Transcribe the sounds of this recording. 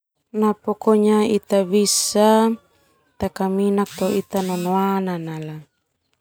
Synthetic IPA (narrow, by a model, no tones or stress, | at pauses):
napɔkɔɲait̪abisa | t̪akaminak̚t̪oit̪anɔnoananala